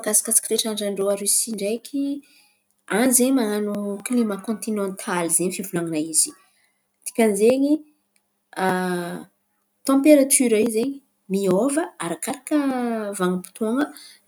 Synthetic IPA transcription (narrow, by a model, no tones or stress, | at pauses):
kasḁkat͡si̥kʲiɾeʈ͡ʂaɳɖ͡ʐaɳɖ͡ʐoaɾysiɳɖ͡ʐejkʲʰi | anzeɲmaŋanuklimakɔ̃nt̪inɔ̃nt̪ʰalizeɲifivulaŋinaiz̥i̥ | t̪i̥kʲanzeɲi | a | t̪ɑ̃mpeɾat̪ʰyɾaizeɲi | miovəaɾakaɾakəvaŋəpi̥t̪oŋə